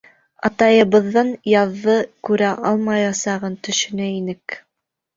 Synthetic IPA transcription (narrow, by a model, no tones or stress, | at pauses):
ɑ̰t̪ɑjɤ̆βɤ̆ðːɤnjɑðːɤkʉɾæʔɑlˠmɑjɑsɑʁɤnt̪ɵ̆ʃɵ̆næinɘk